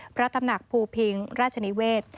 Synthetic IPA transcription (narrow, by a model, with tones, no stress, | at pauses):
pʰɾa˦˥t̪a˧mna˨˩k̚pʰuː˧pʰi˧ŋɾaː˥˩t̪̚t͡ɕʰa˧ni˦˥weː˥˩t̪̚